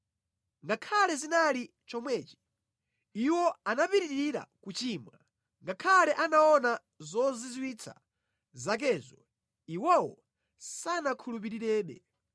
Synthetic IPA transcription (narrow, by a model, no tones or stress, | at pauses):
ŋɡakʰalɛzinali | t͡ʃɔmwɛːt͡ʃi̥ | iwɔanapiɾiɾiɾiɾa̰kut͡ʃiːmwa | ŋɡakʰalɛʔanaɔna | zɔzizwit͡sʰa̰ | zak̬ɛːzɔ | iwɔwɔ | sanakʰulup̬iɾiɾɛːɗɛ